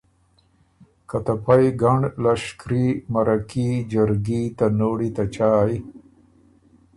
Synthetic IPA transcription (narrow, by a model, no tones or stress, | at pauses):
kat̪ɐpajɡɐɳɖlɐʂkɾimɐɾɐkid͡ʒɐɾɡit̪anoːɽit̪at͡ʃaːj